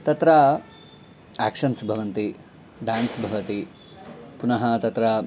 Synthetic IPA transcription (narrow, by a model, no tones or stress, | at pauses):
t̪ɐt̪ɾa | æːkʂɐnsbʱɐʋɐnt̪i | ɖaːnsbʱɐʋɐt̪i | punɐɦɐt̪ɐt̪ɾa